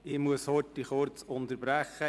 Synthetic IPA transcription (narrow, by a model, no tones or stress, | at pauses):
ɪmuəshɔtːiχʊɾt͡sʊnt̪əɾbɾæχːə